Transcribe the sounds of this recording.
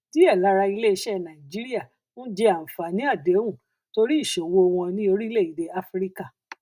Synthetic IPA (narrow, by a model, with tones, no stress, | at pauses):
ti˨˦ɛ˦˨la˨˦ɾa˧i˧le˦˧˦ʃɛ˦˨nã˨ĩ˨d͡ʒi˦ɾi˦a˦˨ | nũ˦d͡ʒɛ˧a˨m̩˨fa˨nĩ˦a˦˨dɛ˨˦w̃ũ˦˨ | to˧ɾi˦i˦˨ʃo˨wo˧w̃ɔ̃˧nĩ˦o˧ɾi˦le˦˨i˨de˧a˦fɾi˦ka˦˨